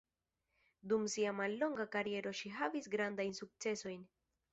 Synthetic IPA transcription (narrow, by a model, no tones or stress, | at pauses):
dumsiamalːo̞ŋɡakaɾie̞ɾo̞ʃiɦavisɡɾandajnsuk̚t͡se̞so̞jn